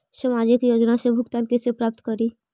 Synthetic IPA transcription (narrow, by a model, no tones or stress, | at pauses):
səmaːd͡ʒɪkjoːd͡ʒnasebʱʊkt̪aːnkesepɾaːp̚t̪kəɾiː